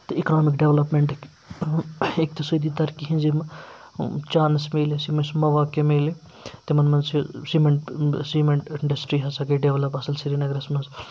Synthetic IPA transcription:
t̪ɐiknoːmikɖeʋlɐpmeɳʈk | ek̚t̪isɐjd̪it̪ɐɾkiɦĩnzimɐ | t͡ʃaːnsmeːlisimɐsmɐʋaːkemeːli | t̪imɐnmɐnsisimeɳʈsimeɳʈiɳɖɐsʈɾiɦɐsɐkeɖeʋlɐpɐsɐlsiɾinɐɡɾɐsmɐnz

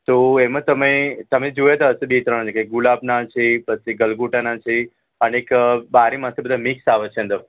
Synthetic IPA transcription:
t̪oemãt̪əmet̪əmed͡ʒojat̪aɦəsebet̪ɾəɳ̃at͡ʃekeɡulabnat͡ʃʰepət͡ʃʰiɡəlɡuʈanat͡ʃʰe | ənekbaɾimãt̪ʰibəd̪ʱamiksaʋət͡ʃʰeə̃nd̪ə

